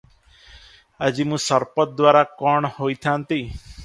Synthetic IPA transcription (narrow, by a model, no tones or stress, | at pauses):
əd͡ʒimũːsəɾpət̪̚d̪ʋaːɾakɔɳhoit̪ʰãnt̪iː